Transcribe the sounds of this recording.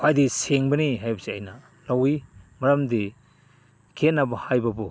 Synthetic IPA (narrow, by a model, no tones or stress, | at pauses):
kʰajdiseŋbɐniɦajbɐsiɐjnɐ | lawimɐɾɐmdi | kʰenːabahajbɐbu